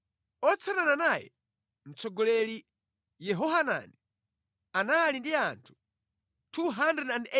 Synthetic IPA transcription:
ɔt͡sʰanananajɛ̰ | m̩t͡sɔɡɔlɛli | jɛɦɔɦana̰ni | anaːlindiantʰu̥ | tʰuɦandɛdandɛ

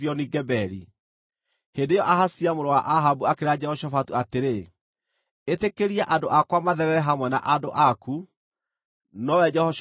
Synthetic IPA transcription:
iɔniɡɛbɛɾḭ | hendejɔʔaɦasiamoɾowaʔaɦabuakeɾad͡ʒɛhɔʃɔfatuateɾe | etekeɾiaʔadoʔakwamaðɛɾɛɾɛɦamwɛna̰ʔadoʔaku | nɔwɛd͡ʒɛhɔʃ

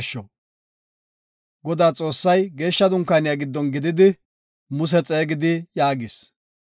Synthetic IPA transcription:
ʃːɔ | ɡɔd̪aːt͡sʼo̞ːsːɐjɡe̞ːʃːɐd̪ʊŋkaːnɪjaɡɪd̪ːɔnɡɪd̪ɪd̪ɪ | mʊs̬ɛt͡sʼe̞ːɡɪd̪ɪjaːɡɪs

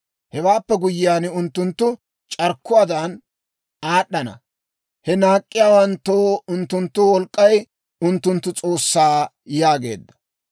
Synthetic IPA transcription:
hɛwaːpːɛɡʊjɪjaːnʊnt̪ːʊnt̪ːʊ | t͡ʃʼɐɾkːʊwaːd̪ɐn | aːɗːɐnɐ̰ | hɛnaːkʼːɪjaːwɐnt̪ːoːʊnt̪ːʊnt̪ːʊwɔlkʼːɐj | ʊnt̪ːʊnt̪ːʊt͡sʼo̞ːsːaː | jaːɡe̞̰ːd̪ːɐ̥

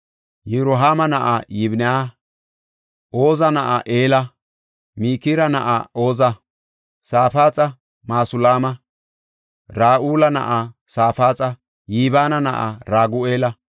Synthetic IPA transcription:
jɛɾɔɦaːmɐnɐʔa̰jɪbnɛaː | ʔo̞ːzɐnɐʔa̰ʔeːlɐ | miːkiɾɐnɐʔa̰o̞ːzɐ | saːfaːt͡sʼɐ | maːsʊlaːmɐ | ɾaːʔuːlɐnɐ̰ʔasaːfaːt͡sʼɐ | jiːbaːnɐnɐʔa̰ɾaːɡʊeːlɐ

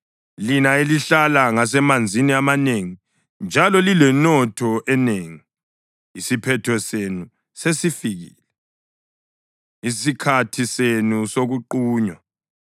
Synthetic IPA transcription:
linaeliɬalaŋas̬ɛmand͡zʱiniamaneŋi | nd͡ʒʱalɔlilɛnɔtʰɔʔɛneŋi | isipʰɛtʰɔsenu | sesifiɣḭːlɛ | isikʰatʰisenusoɣuǃuːɲwa

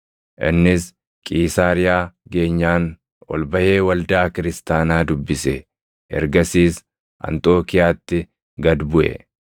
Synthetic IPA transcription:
ʔɪ̰nːɪs | kʼiːsaːɾɪjaːɡe̞ːɲːaːn | wɔ̰lbɐje̞ːwɐld̪aːkɪɾɪst̪aːnaːd̪ʊbːɪsɛ | ɛ̰ɾɡɐsiːs | ʔɐ̰nt̪ʼo̞ːkɪjaːt̪ːɪ | ɡɐd̪bʊʔɛ̰

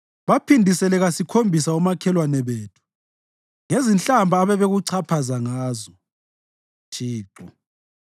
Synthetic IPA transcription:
βapʰindʱisɛlɛɣasikʰombʱisaumakʰɛlwanɛβeːtʰu̥ | ŋezint͡ɬʼambʱaːβɛβeɣuǀʰapʰazaŋaːzɔ | tʰiːǃɔ

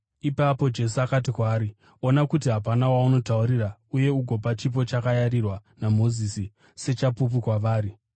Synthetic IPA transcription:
ipapo̞d͡ʒe̞suakat̬ikwaːɾi | onakut̬iɦapanawauno̞tauɾirauje̞uɡʱo̞pat͡ʃip̬o̞t͡ʃakajarirwanamo̞zisi | se̞t͡ʃapup̬ukwaʋaːɾi

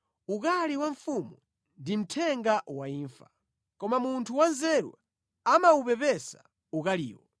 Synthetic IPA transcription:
ukaliwaɱfumu | ndim̩tʰɛŋɡawaiːɱfḁ | kɔmamuntʰuwanzɛɾṵ | amaupɛpɛsa | ukaliːwɔ

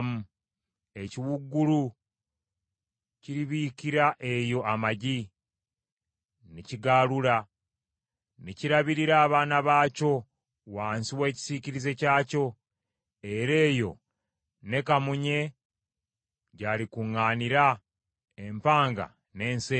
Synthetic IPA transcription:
mu | e̞ciwuɡːulu | ciɾiβiːkiɾaʔe̞jo̞ʔamaɟi | niciɡaluɾa | niciɾaβiɾiɾaːβaːnaβaːco̞ | waːnsiwe̞ːci̥siciɾize̞caːco̞ | e̞ɾe̞ːjo̞ | ne̞kamuɲe̞ | ɟalikuŋːaːniɾa | e̞mpaːŋɡa̰ | ne̞ːnse

